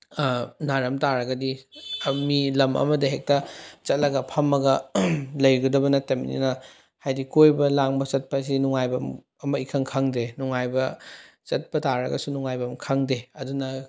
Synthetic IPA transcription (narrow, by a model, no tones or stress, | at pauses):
naɾɐmtaɾɐɡɐdi | milɐmʔɐ̰mɐdɐɦek̚tɐt͡ʃɐt̚lɐɡɐpʰɐmːɐɡɐlɐjɡɐdɐbɐnɐtɐmḭnḭnɐ | hajdikojbɐlaŋbɐt͡ʃɐt̚pɐs̬inuŋajbɐm | ɐmɐikʰɐŋkʰaŋdenuŋajbɐ | t͡ʃɐt̚pɐtaɾɐ̰ɡɐ̰sunuŋajbɐmkʰaŋdeɐdunɐ